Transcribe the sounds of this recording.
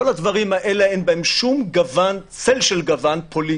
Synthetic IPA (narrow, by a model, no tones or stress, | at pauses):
olad̪vaʁimaʔe̞leenbaemʃumɡavant͡selʃelɡavanpʰo̞li